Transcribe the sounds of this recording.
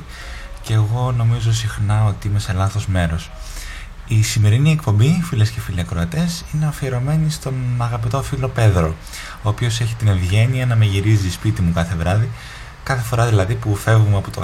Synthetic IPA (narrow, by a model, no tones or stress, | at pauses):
ceɣo̞no̞mizo̞sixnɐo̞t̪iime̞se̞lɐθo̞zme̞ɾo̞s | isime̞ɾiniekpo̞mbifilesce̞filiɐkɾoɐt̪e̞sine̞ɐfieɾo̞me̞nist̪o̞nɐɣɐpit̪o̞filo̞pe̞ðɾo̞ | o̞ːpio̞se̞çi̥t̪ine̞vʝe̞niɐnɐme̞ʝiɾizispit̪imukɐθe̞vɾɐði | kɐθe̞fo̞ɾɐðilɐðipufe̞vumeɐpot̪o̰